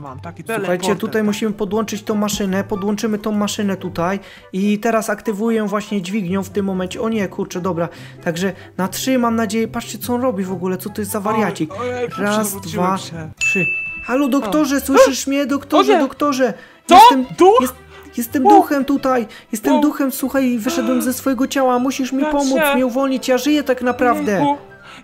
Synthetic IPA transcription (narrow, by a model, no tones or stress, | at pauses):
suxajt͡ɕɛt̪ut̪ajmuɕimɘpɔd̪wɔnt͡ʂɘt͡ɕt̪ɔ̃w̃mːaʂɘnɛpɔd̪wɔ̃nt͡ʂɘmɘt̪ɔ̃w̃maʂɘnɛt̪ut̪aj | it̪ɛɾasakt̪ɘvujɛvwaɕɲɛd͡ʑvʲiɡɲɔ̃w̃ft̪ɘmːɔmɛnt͡ɕɛɔɲɛkʰuɾt͡ʂɛd̪ɔbɾa | t̪aɡʐɛ | natʂɘmamnad͡ʑejɛpat͡ʂt͡ɕɛt̪sɔɔnɾɔbʲivɔɡulɛt̪sɔt̪ɔjɛst̪zavaɾjat͡ɕikɾazd̪vatʂɘhalɔd̪ɔkt̪ɔʐɛswɘʂɘʂmʲɲɛd̪ɔkt̪ɔʐɛd̪ɔkt̪ɔʐɛ | jɛssɛmd̪j | jɛst̪ːɛmd̪uxɛmt̪ut̪aj | jɛst̪ɛmd̪uxɛmswuxajivɘʂɛd̪wɛmzɛsfɔjɛɡɔt͡ɕawamuɕiʂmʲipɔmut̪smʲɲɛuvɔlɲit͡ɕjaʐɘjɛt̪aknapɾavd̪ɛ